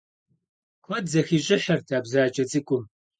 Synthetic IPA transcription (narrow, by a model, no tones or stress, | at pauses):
kʷʰɔdzɐxiːɕʼɪħɐrtʰaːbzaːt͡ʃʼɐt͡sʼɨkʷʼʊm